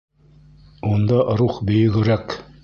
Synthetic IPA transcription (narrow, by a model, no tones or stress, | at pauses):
und̪ɑɾuχbɵ̆jɘ̆ɡɘ̆ɾæk